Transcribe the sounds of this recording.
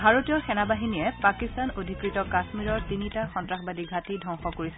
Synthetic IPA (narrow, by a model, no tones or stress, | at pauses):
bʱaɹotijɔxɛnabaɦinijɛpakistanodʱikɹitɔkasmiɹɔɹtinitaxɔntɹaxbadiɡʱatidʱɔ̃ŋxɔkoɹisɛ